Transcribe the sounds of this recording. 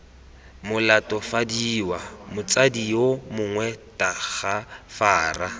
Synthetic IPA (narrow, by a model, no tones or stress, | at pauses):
mʊlatɔfadiːwamʊt͡sʼadiomʊŋwɛtaɣafaːra